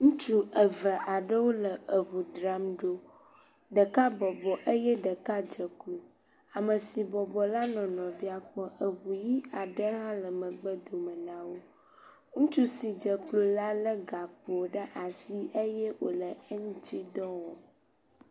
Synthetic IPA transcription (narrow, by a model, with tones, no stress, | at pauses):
ŋũ˦t͡ʃu˦ʔə˨və˨ʔa˨ɖə˦wo˦lə˨ʔə˨βu˨d̪ɾa˦mɖo˦ | ɖə˨ka˦bɔ˨bɔ˨ʔə˦jɛ˦ɖə˨ka˦d͡ʒə˨klo˨ | a˨mə˨si˨bɔ˨bɔ˨la˦nɔ̃˨nɔ̃˨vi˦a˨k͡pɔ˦ʔə˨ɣu˨ji˦a˨ɖə˦ɦã˦lə˨mə̃˨ɡ͡bə˦d̪o˨mə˨nã˨wo˦ | ŋũ˦t͡ʃu˦si˨d͡ʒə˨klo˨la˦lə˦ɡa˨k͡po˨ɖə˦ʔa˨si˦ʔə˦jɛ˦wo˨lə˨ə˦ŋũ˦t͡ʃi˦d̪ɔ˦wɔ˨